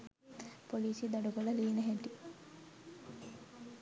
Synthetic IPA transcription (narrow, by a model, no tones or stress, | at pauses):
poliːsid̪aɖuɡolɐliːnəɦɛʈi